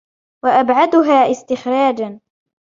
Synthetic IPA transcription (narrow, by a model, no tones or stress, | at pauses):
waʔabʕad̪ʊɦaːʔɪst̪ɪxɾaːd͡ʒan